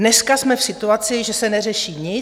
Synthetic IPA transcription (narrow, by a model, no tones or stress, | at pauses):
nɛskasmɛfsɪt̪uat͡sɪʒɛsɛnɛrɛʃiːɲɪ